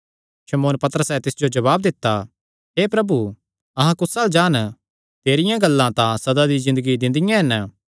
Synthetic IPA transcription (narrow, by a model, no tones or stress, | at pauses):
ʃɐmoːnpɐt̪əɾəsɛt̪ɪsd͡ʒod͡ʒɐβaːb̚d̪ɪt̪ːa | ɦeːpɾɐbu | ɐɦãkʊsaːld͡ʒaːn | t̪eːɾɪjãɡɐlːãt̪ãsɐd̪ad̪izɪ̃nd̪əɡid̪ɪ̃nd̪ɪjãɦɐn